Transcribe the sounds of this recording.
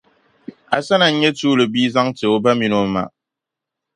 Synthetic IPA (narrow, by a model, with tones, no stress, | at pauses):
a̰˨sa˦na˨˦ɲe˦tuː˦lə˨bi˦za˦ŋte˨o˦ba˦mi˨no˨ma̰˨ʔ